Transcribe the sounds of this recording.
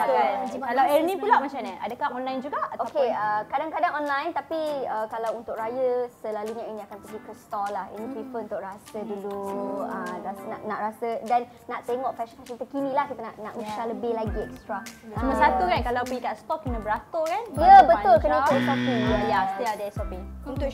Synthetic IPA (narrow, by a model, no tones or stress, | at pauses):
kankalawɛnĩpulaʔmat͡ʃamɲəʔa̰dəkaʔɔnlajnd͡ʒuɡaʔtoakeəkadaŋkadaŋɔnlajnt̪apiəkalawunt̪ʊk̚ɾajəsəlaluɲaɛnĩakanpəɡikust̪ɔlahḭnĩt̪ɾifəunt̪ʊʔɾasəduluəasnaʔnaʔɾasədanːaʔt̪eŋɔʔfɛʃənfɛʃənt̪əkinĩlahkit̪ənaʔnaʔuʃaləbehlaɡiɛ̰kst̪ɾasəməsat̪ukankalawpəɡikast̪ɔk̚kənə̃bəɾat̪okanjəbət̪ʊlkənĩkoʔsɔfiwajajadɛsɔpiunt̪ʊ